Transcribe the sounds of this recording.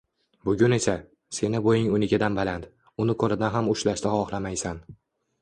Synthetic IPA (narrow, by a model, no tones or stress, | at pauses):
bʊɡʲʊne̞sa | se̞nɪbojɪŋʊnɪɡʲad̪anbalant̪ | ʊnɪkʰɵɾad̪anɦamʊʃlaʃt̪ahɒχlamajsan